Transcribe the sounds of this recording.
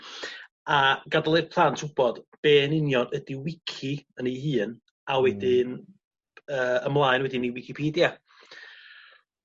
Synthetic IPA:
aɡadalˠɛpʰrantʰʊb̥ɔd̥b̥eːnɪnjɔdədiwɪkʰiəniɦɨːn | awɛdɪn | əːəmlˠaɨnwɛdɪniwɪkʰipʰiːdja

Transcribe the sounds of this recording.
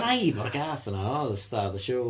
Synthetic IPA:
rajvɔɾəɡaːθənaɔðəstaðəʃow

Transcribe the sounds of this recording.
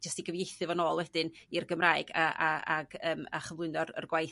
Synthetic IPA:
d͡ʒəstiɡəvjejθɨvɔnoːlˠwɛd̥ɨnirɡəmraːɨɡaʔaa̰ɡəːma̰χəvlˠʊɨnɔrə̰rɡwaj

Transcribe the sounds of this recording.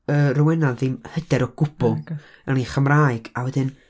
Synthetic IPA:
ərɔwɛnaððɪmhəd̥ɛɾɔɡ̥ʊb̥ʊlˠərniχəmraːɨɡ̥awɛdɪn

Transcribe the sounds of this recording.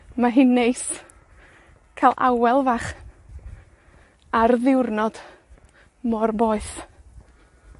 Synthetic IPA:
maɦɪnːejs | kʰalˠʔa̰wɛlˠvaχ | arðɪwrnɔd̥ | mɔrboːɨθ

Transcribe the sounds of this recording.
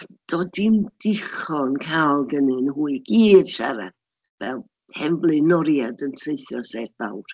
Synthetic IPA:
d̥ɔdind̥ɪχɔnkʰalˠɡənɨnhuːɨɡiːd̥ʃa̰ɾa̰ | vɛ̰lˠ | hɛmblˠɨnɔɾjadəntʰreɨθjɔsɛtb̥a̰wr

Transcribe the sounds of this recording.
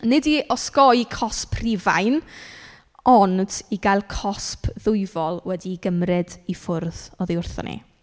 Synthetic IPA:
nɪdiʔɔskɔjkʰɔspʰriva̰jn | ɔnd̥iɡajlˠkʰɔspʰðʊjvɔlˠwɛdiɡəmrɨdifʊrðɔðiʊrθɔ̰nʔḭ

